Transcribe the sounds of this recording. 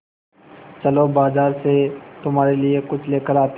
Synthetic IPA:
t͡ʃɐlobaːzaːɾset̪ʊmɦaːɾeliekʊt͡ʃʰleːkəɾaːt̪

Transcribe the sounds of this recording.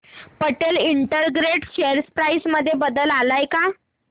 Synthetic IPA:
pəʈeliɳʈəɾɡɾeʈɕeɾspɾajsməd̪ʱːjebəd̪əlalajka

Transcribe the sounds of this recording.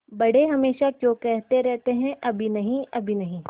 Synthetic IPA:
bɐɽ̤eɦɐmeːʃakjõːkɛɦt̪eɾɛɦt̪eɦɛ̃ʔɐbʱinɐɦĩʔɐbʱinɐɦĩ

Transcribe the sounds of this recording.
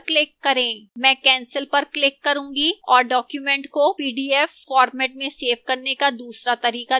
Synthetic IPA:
klɪkːɐɾẽːmɛ̃ːkɛ̃ːnsəlpɐɾklɪkːɐɾũːŋɡiɔːɾɖɔːkjumɛ̃ɳʈkopiːɖiːɛfːɔːɾmɛːʈ̚mẽseːʋkɐɾnekad̪uːsɾat̪ɐɾiːqa

